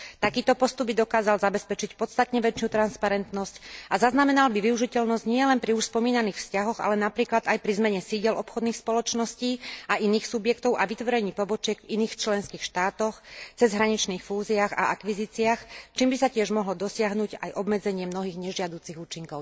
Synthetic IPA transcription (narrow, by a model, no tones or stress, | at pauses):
t̪akiːt̪ɔpɔst̪ubid̪ɔkaːzalzabɛspɛt͡ʃicpɔt̪st̪at̪ɲɛʋɛt͡ʃɪut̪ɾanspaɾɛnt̪nɔscazaznamɛnalbiʋiuʒicɛʎnɔzɟɲɪɛlɛnpɾiuʃspɔmiːnaniːxfscaɦɔɣa̰lɛnapɾiːklad̪ajpɾizmɛɲɛsiɟɛlɔpxɔd̪niːxspɔlɔt͡ʃnɔsciːaʔiniːxsubjɛkt̪ɔʊʔaʋit̪ʋɔɾɛɲiːpɔbɔt͡ʃɪɛɡviniːxt͡ʃlɛnskiːxʃt̪aːt̪ɔxt͡sɛzɦɾaɲit͡ʃniːxfuːziaɣa̰akʋiziːt͡siaxt͡ʃiːmbisacɪɛʒmɔɦlɔd̪ɔsɪaɦnuɟa̰jʔɔbmɛd͡zɛɲɪɛmnɔɦiːɣɲɛʒɪad̪uːt͡siɣuːt͡ʃiŋkɔʊ